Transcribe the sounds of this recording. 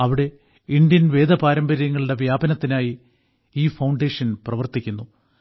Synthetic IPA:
ɐʋiɽe̞ | ind̪jɐnʋe̞ːd̪ɐpaːɾɐmbɐɾijɐŋːɐɭiɽe̞ʋjaːbɐnɐt̪ːinaːji | iːfɐwɳɖe̞ːʂɐnprɐʋɐrt̪ikʲːunːu

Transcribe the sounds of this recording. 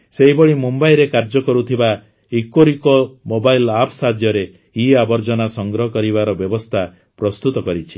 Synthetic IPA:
seɦibɔɭimumbaiɾekaɾd͡ʒɔkɔɾut̪ʰiba | ikoɾikɔmobailapʰsad̪ʱjɔɾe | iabɔɾd͡ʒɔnasɔŋɡɾɔɦɔkɔɾibaɾɔbjɔbɔst̪ʰa | pɾɔst̪ut̪ɔkɔɾit͡ʃʰi̥

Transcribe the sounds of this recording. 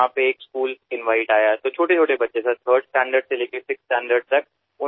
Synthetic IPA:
ãːpeeːkskuːlɪ̃nʋaːɪʈaːjaɛt̪oːt͡ʃʰoːʈet͡ʃʰoːʈebɐtːʃesɐt̪ʰəːɾɖsʈɛ̃ːɳɖəɾɖseleːkesɪksʈɛ̃ːɳɖəɾɖt̪ɐk̚ | ʊ

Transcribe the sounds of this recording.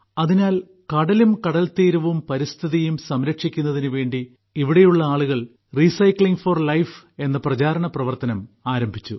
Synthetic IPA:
ɐðinaːl | kɐɽɐlumkɐɽɐlt̪iːɾuʋumpɐɾist̪ʰiðijumsɐmɾɐkʂikʲːun̪ːɐðinuʋe̞ːɳɖi | iʋiɽejuɭːɐaːɭuɣɐɭ | riːsɐjkɭiŋɡfɐrlɐjfe̞nːɐprɐt͡ɕaːɾɐɳɐprɐʋɐrt̪ɐnɐmaːɾɐmbʱit͡ɕːu

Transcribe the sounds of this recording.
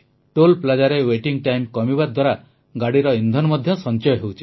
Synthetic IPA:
ʈolplad͡ʒaɾeweʈiŋʈajmkɔmibaɾd̪ʱwaɾa | ɡaɽiɾɔind̪ʱɔnɔmɔd̪ʱjɔsɔnt͡ʃɔjɔɦewt͡ʃʰi

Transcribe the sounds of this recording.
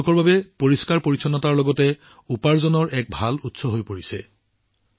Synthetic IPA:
kɔɹbabɛpoɹiskaɹpoɹisʰɔnɔtaɹlɔɡɔtɛ | upaɹzɔnɔɹɛk̚bʱalutsɔɦojpoɹisɛ

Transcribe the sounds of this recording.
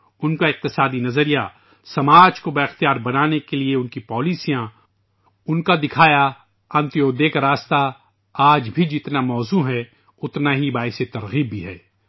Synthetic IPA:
ʊnkaɪq̚t̪ɪsaːd̪inɐzəɾija | sɐmaːd͡ʒkobɐɪxt̪ijaːɾbɐnaːnekelieʊnkipɔːliːsijã | ʊnkad̪ɪkʰaːja | ɐ̃nt̪ijoːd̪eːkaɾaːst̪a | aːd͡ʒbʱid͡ʒɪt̪namɔːzuɦɛ | ʊt̪naɦibaːɪset̪ɐɾɣiːbːiɦɛː

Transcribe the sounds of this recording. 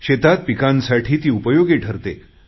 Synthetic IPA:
ɕet̪at̪̚pikãnsaʈʰiːt̪iːupəjoɡeʈʰəɾt̪e

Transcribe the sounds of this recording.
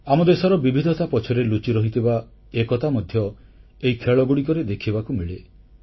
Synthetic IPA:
amɔd̪esɔɾɔbibʱid̪ʱɔt̪apɔt͡ʃʰɔɾelut͡ʃiɾɔɦit̪iba | ekɔt̪amɔd̪ʱjɔ | eɦikʰeɭɔɡuɽik̬ɔɾed̪ekʰibakumiɭe

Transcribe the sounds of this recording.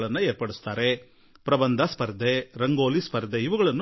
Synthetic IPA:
ɭɐnːɐeːɾpɐɽust̪aːɾe | pɾɐbɐnd̪ʱɐspɐɾd̪eɾɐŋɡoːlispɐɾd̪eiʋɐɡɐɭɐnː

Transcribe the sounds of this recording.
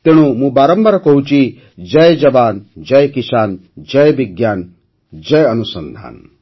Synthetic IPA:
t̪eɽ̃umũbaːɾɐmbɐɾkɔɦut͡ʃi | d͡ʒɐjd͡ʒɐbaːnd͡ʒɐjkisaːnd͡ʒɐjbiɡjaːn | d͡ʒɐjɐnusɐnd̪ʱa̰ːn

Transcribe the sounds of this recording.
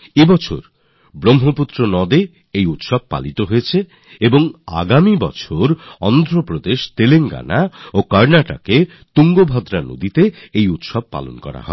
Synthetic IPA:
ebɔt͡ɕʰo̰ɾ | bɾomɦoput̪ːɾonɔd̪e | ejut̪ʃɔb̚pa̰lit̪oɦoet͡ɕʰe | eboŋa̰ɡamibɔ̰t͡ɕʰoɾɔnd̪ʱɾopɾod̪eʃt̪eleŋɡa̰naokaɾnaʈa̰ke | t̪uŋɡobʱɔd̪ɾano̰d̪it̪eejut̪ʃɔb̚pa̰lo̰nkɔ̰ɾa̰ɦɔ̰e

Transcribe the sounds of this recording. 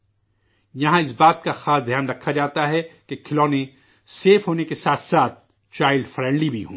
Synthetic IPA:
jɐɦãɪsbaːt̪̚kaxaːsd̪ʱjaːnɾɐkʰːad͡ʒaːt̪aɦɛkekʰɪlɔːnẽ | seːfɦoːnekesaːt̪ʰsaːt̪̚ | t͡ʃaːɪlɖfɾɛ̃ːɳɖlibʱiɦũː

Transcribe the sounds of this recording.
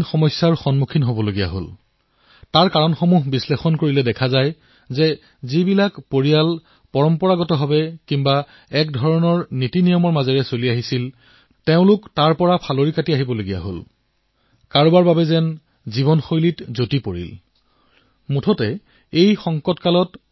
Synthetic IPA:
nxɔmɔjsjaɹxɔnmukʰinɦobɔloɡija̰ɦo̰l | taɹkaɹɔnxomuɦbislexɔnkoɹilɛdɛkʰazaj | zɛ | zibilakpoɹijal | pɔɹɔmpɔɹaɡɔtɔɦabɛkimba | ɛk̚dʱɔɹɔnɔɹnitinijɔmɔɹmazɛɹɛsoliaɦisil | teʊ̃lʊktaɹpɔɹapʰaloɹikatiaɦibɔloɡija̰ɦo̰l | kaɹubaɹbabɛzɛn | ziβɔnxojlitzotipoɹḭl | mutʰɔtɛ | ejxɔŋkɔtkalɔt

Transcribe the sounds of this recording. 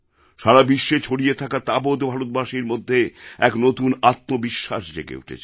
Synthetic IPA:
ʃaɾabiʃːet͡ɕʰoɽijet̪ʰakat̪abot̪bʱaɾot̪baʃiɾmod̪ʱːeɛknot̪unat̪̚mobiʃːaʃd̪ḛkḛṵʈʰḛt͡ɕʰe

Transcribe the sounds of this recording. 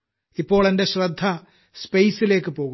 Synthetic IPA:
ipːo̞ːɭe̞ndeɕrɐd̪ʱːɐ | spejsile̞ːkːɨpo̞ːɣu

